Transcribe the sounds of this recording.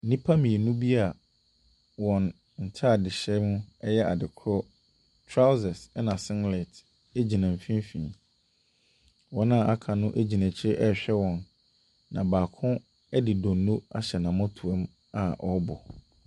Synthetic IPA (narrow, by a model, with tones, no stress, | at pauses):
n̩˦nĩ˦pʰa˦mĩ˨nũ˦bi˦a˨ | wɔ̃˨n | n̩˨tʰa˦a˨dɪ˨ɕɛ˦mʊ̃˦ɛ˦jɛ˦a̰˨dɪ˨kʰɾɔ˦ | tʰɾa˦wzɛ˨sɛ˦nã˨sɪ̃˦ŋɡle˨t | e˦d͡ʑi˨nã˨m̩˨fĩ˦m˦fḭ̃˨ | wɔ̃˨˦nã˦˨ʔa˦kʰa˨nʊ̃˦ʔe˦d͡ʑi˨næ̃˨t͡ɕʰɪ˦ʔɛ˦ɕᶣɛ˦wɔ̃˨n | nã̰˨baː˨kʰʊ̃˦ | ɛ˦dɪ˨dɔ̃ː˨˦ũ˦a̰˦ɕɛ˨nã˨mʊ̃˦tʰu˨ɛ˦m | a˨ʔɔ˦bɔ̰˨